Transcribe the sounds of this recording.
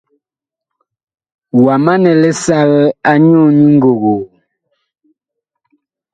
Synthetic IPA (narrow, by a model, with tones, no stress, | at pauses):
wa˨ma˦nɛ˨lɛ˦sa˦ɣɛ˦a˦ɲɔ˦˨ni˦ŋ̩˦ɡo˨ɣo˨